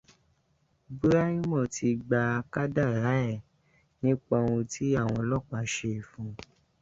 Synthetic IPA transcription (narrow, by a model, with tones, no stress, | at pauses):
bu˦ɾa˦ĩ˦mɔ̃˦˨tʰi˧ɡ͡ba˧ka˦da˦˨ɾa˨˦ɛ˦˨ | nĩ˨˦k͡pɔ˧wũ˧tʰi˨˦a˦˨w̃ɔ̃˧lɔ˦˨k͡pa˨˦ʃe˧i˨fũ˨˧